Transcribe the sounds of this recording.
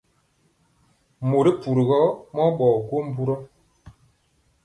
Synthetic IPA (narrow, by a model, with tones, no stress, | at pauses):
mo˨ɾi˦pu˨ɾi˨ɣɔ˦mɔ˦ɓɔ˨ko˦m̩˦bu˦ɾɔ˦